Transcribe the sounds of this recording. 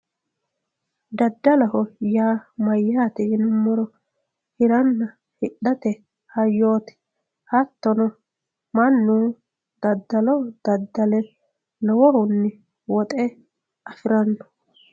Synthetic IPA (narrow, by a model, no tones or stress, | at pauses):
d̪ɐd̪ːɐlɐhɔjaːmɐjːaːt̪ɪɪnʊmːɔɾɔ | hɪɾɐnːɐ | hɪɗɐt̪ɛ | hɐjːo̞ːt̪ɪ̥ | hɐt̪ːɔnɔ | mɐnːuː | d̪̥ɐd̪ːɐlɔd̪̥ɐd̪ːɐlɛ | lɔwɔhʊnːɪ | wɔt̪ʼɛ | ɐfɪɾɐnːɔ̥